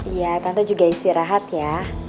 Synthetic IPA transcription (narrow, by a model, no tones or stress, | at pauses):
ijat̪ant̪ad͡ʒuɡaist̪iɾaɦat̪ja